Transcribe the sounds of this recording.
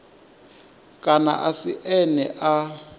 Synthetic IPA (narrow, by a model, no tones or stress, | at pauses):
kʼana̰ʔasiʔɛnɛʔa